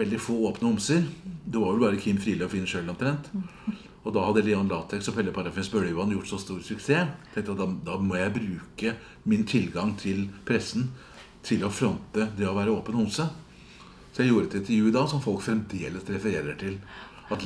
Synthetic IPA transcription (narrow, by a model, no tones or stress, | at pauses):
ɛld̪ɪfoːoːpnəʊmsəɾd̪ɛʋɑɾʋɛlbɑːɾəkʰɪmːfɾiːlœfɪnʂøːlɔmt̪ʰɾɛnt̪ | ɔd̪ɑhɑd̪ːəleːɔnlɑːt̪ʰɛksɔfɛlːəpʰɑɾɑfɪnsbøːlɪjʉːɑnjʊʈːsɔst̪uːɾsʉkseːt̪ʰɛ̃ŋkt̪ɑt̪d̪ɑd̪ɑːmɔjæɪbɾʉːkə | mɪnt̪ʰɪlɡɑŋt̪ʰɪlpʰɾɛsn̩ | t̪ʰɪlɔfɾɔnt̪əd̪ɛɔʋæːɾəoːpənʊmsə | sɔjæɪjuːɾət̪ɪɪnt̪əɾjʉːɪd̪ɑːsɔmfɔlkfɾɛmd̪eːləsɾɛfəɾeːɾəʈʰɪl | ɑt̪